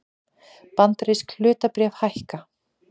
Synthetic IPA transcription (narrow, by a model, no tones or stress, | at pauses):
pant̪ɾejskʰl̥ʏːt̪apɾjɛːvhajhka